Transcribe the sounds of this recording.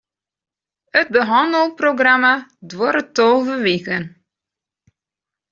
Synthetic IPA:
ət̚bəɦɑndəlˠproɡramadwoɾətowvəʋiɣən

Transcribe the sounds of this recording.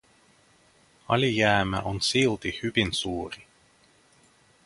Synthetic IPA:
ɑ̰lʲijæːmæ̰ʔonsilt̪ihybinsuːɾi

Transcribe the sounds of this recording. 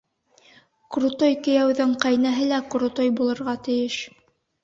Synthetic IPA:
kɾut̪ojkɵ̆jæwðɘɴqɑjnæɦɘlækɾut̪ojbulˠɤ̆ɾʁɑt̪ɘ̆jɘʃ

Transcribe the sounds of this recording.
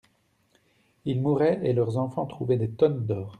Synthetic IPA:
ilmuʁɛelœʁzɑ̃fɑ̃t̪χuvɛd̪et̪ɔnd̪ɔːʁ

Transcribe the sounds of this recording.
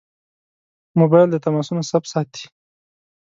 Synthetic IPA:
mobɑjld̪ət̪amɑsunosapsɑt̪i̥

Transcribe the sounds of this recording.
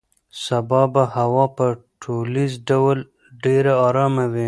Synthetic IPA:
sabɑbahawɑpəʈʰolizɖawl | ɖeɾaɑɾɑmawi

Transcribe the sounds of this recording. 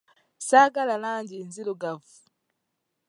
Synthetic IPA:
saɡalalaːɲɟinziluɡavu̥

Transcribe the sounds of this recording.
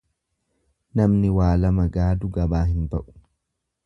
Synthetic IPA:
nɐmnɪwaːlɐmɐɡaːd̪ʊɡɐbaːɦɪnbɐʔʊ̥

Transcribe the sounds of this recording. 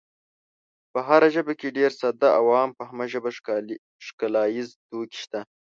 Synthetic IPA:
pəɦaɾaʒəbakeɖeɾsad̪aawɑːmpəɦamaʒəba | ʂkalɑːjizt̪oki̥ʃt̪a

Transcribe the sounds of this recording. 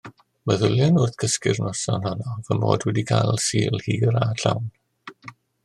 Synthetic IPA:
məðʊlˠjanʊrθkʰəskɪ̰rnɔsanhɔnɔvəmoːdwɛdikʰajlˠsiːlˠhiːɾaɬawn

